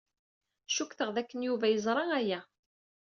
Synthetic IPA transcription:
ʃukθəʁðækːənjuvæjəzˤɾˤɑæjæ

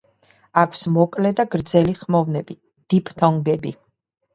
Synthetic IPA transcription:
akʰsmɔkʼlɛd̪aɡɾd̪zɛliχmɔvnɛbi | d̪̥ipʰt̪ʰɔŋɡɛbi

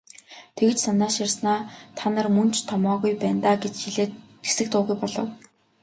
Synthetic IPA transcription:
t̪ʰeɣɘ̆t͡ɕsanaːʃarsnaːt̪ʰanə̆rmɵn̥t͡ɕʰt̪ʰɔmɔːɣujpæːnt̪aːɡet͡ɕxiɮeː | ɡe̥sɘ̆k̚t̪ʊːɣujpɔɮɞ̆w

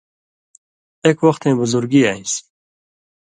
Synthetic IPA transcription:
ekwʌxt̪ẽːbʊzuɾɡiːaĩs

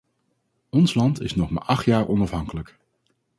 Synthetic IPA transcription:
ɔnslɑntɪ̰snɔχma̰ːɹʔɑχtjaːɹʔɔnɑfɦɑŋkələk

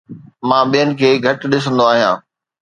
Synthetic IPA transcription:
mãːɓijənɪ̆kʰeːɡʱɐʈ̆ɗɪs̬ə̃nd̪oaːɦijãː

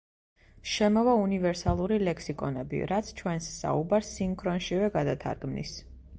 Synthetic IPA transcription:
ʃɛmɔvaunivɛɾsalˠuɾilɛkʰsikʼɔnɛbḭɾat̪sʰt͡ʃʰwɛnsːa̰ubaɾsːiŋkʰɾɔnʃivɛɡad̪at̪ʰa̰ɾɡmnḭs

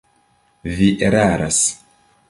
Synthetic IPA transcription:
viʔeɾaɾas

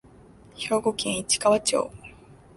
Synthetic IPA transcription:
ço̞ːɡo̞kẽɰ̃it͡ɕi̥kaβat͡ɕo̰ː

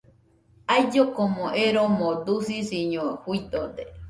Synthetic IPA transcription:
ajd͡ʒokomõʔeɾomõd̪usisiɲõhuid̪od̪e

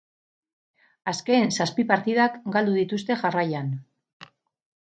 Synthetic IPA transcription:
aske̞ːnsaspipaɾt̪iðakɡald̪uðit̪ust̪e̞ʝarajan

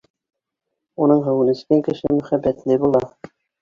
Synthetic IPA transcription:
unɤɴɦɘ̆wɘ̆nɘ̆sk̪æŋkɘ̆ʃɘmɵ̆χæbːæt̪lɘbulˠɑ

